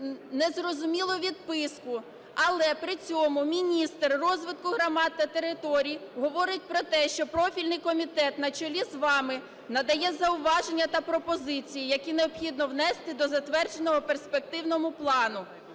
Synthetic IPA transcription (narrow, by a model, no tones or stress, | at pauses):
nɛzrɔzʊmʲilˠɔʋʲid̪̚pɪskʊ | ɐlˠɛpɾɪt͡sʲɔmʊmʲinʲist̪rːɔzʋɪt̪̚kʊɦɾɐmɑt̪ːɐt̪eɾɪt̪ɔɾʲijiɦɔʋɔɾɪt̚ʲpɾɔt̪ɛʃt͡ʃɔpɾɔfʲilʲnɪjkɔmʲit̪ɛt̪nɐt͡ʃɔlʲizʋɑmɪ | nɐd̪ɐjɛzɐʊʋɑʒenʲːɐt̪ɐpɾɔpɔzɪt͡sʲijijɐkʲineɔbxʲid̪nɔwnɛst̪ɪd̪ɔzɐt̪ʋɛrd͡ʒenɔɦɔperspek̚t̪ɪwnɔmʊplˠɑnʊ